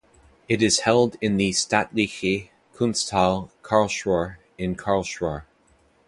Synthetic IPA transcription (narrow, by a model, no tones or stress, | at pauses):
ɨɾɨz̥hɛlˠdɪ̃nðɨstætˡlixi | kʰũnstʰalˠkʰɑɹlˠʃwɔɹ | ɨ̃nkʰɑɹlˠʃwəɹ